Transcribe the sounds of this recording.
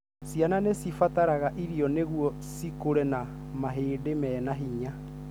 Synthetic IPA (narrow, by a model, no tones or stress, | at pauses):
siananesifataɾaɣaʔiɾiɔneɣuɔ | sikoɾɛna | maɦeːdemɛːnaɦiɲa